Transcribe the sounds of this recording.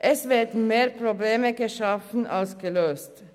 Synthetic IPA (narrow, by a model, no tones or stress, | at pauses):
ʔɛsʋeːɛt̪meːɾpʰɾʊbleːməkəʃɑfn̩ʔɑlskəløːst̪